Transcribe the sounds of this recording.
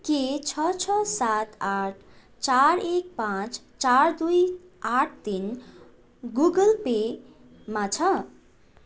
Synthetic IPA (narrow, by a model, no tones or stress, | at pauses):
ket͡ʃʰʌt͡ʃʰʌsat̪aʈʰ | t͡ʃaɾek̚pãt͡s | t͡ʃaɾd̪uj | aʈʰt̪in | ɡuɡəlpe | mat͡ʃʰʌ